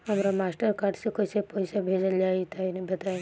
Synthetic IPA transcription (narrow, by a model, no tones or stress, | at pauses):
ɦəmɾamasʈəɾkaːɾɖsekojsepɔisabʱed͡ʒəljaːit̪ainebʱɐt̪aj